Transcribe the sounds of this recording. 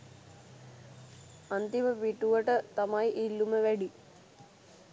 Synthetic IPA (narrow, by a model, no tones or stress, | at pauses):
ɐnd̪imɐʋiʈːuʋɐʈət̪ɐmaːjʔilːuməʋɛɖi